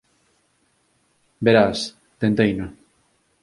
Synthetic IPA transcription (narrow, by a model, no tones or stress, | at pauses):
beɾas | t̪ent̪ejno